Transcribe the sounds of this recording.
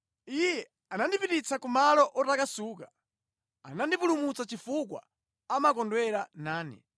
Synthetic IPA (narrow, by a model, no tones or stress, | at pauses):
ijɛ | anandipitit͡sakumalɔʔɔtakasuːka | anandipulumut͡sat͡ʃifuk̬wa̰ | amakɔndwɛɾanaːnɛ̰